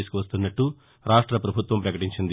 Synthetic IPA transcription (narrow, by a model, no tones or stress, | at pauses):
isu̥kuʋɐst̪unːɐʈːu | ɾaːʂʈɾɐpɾɐbʱut̪ʋɐmpɾɐkɐʈiɲt͡ʃind̪i